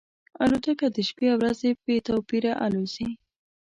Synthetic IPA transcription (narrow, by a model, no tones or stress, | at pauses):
alot̪əkad̪əʃpeawɾazepet̪awpiɾaʔalozi